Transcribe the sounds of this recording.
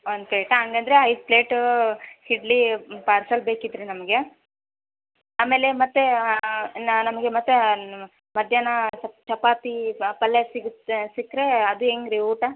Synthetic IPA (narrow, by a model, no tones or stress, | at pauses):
ond̪keːʈɐŋɡɐnd̪ɐɾeɐjspleːʈ | hiɖlipaːɾsɐlbeːkid̪ɾinɐmɐɡe | aːmeːlemɐt̪ːe | nnɐmɐɡemɐt̪ːe | mɐd̪ʱjaːnɐt͡ʃɐpaːt̪ipɐlːesiɡt̪sikːɾe̞ɐd̪ueːŋɡɾiuːʈa